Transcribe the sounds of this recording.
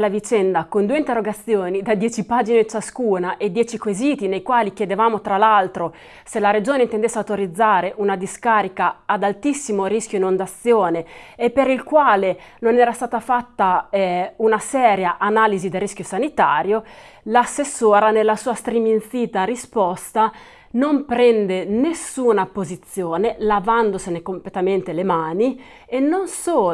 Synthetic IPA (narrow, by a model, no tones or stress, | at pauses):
lavit͡ʃɛnd̪akond̪uːeint̪erːoɡat̪sːjoːnid̪ad̪jɛːt͡ʃipaːd͡ʒinet͡ʃaskuːnaʔed̪jɛːt͡ʃikweziːt̪inejkwaːlikjed̪evaːmot̪ɾalalt̪ɾo | selaɾed͡ʒoːneint̪end̪esːawt̪oɾid̪zːaːɾeʔunad̪iskaːɾikaːd̪alt̪isːimoɾiskʲjoinond̪at̪sːjoːneepːeɾilkwaːlenonɛːɾast̪aːt̪afat̪ːaɛunasɛːɾjaʔanaːlizid̪elrːiskʲjosanit̪aːɾjo | lasːesːoːɾanelːasuːast̪ɾiminsiːt̪aɾispɔst̪a | nompɾɛnd̪enesuːnapozit̪sːjoːnelavand̪osenekomplet̪ament̪elemaːni | enːonsoː